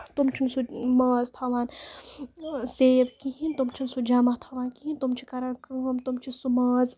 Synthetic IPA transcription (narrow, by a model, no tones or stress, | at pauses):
t̪umt͡ʃʰinsumɐːzt̪ʰaʋaːn | seːʋkiɦint̪umt͡ʃʰinsud͡ʒaːmɐht̪ʰaʋaːnkiɦint̪umt͡ʃʰikɐɾakɨmt̪umt͡ʃʰisumɐːz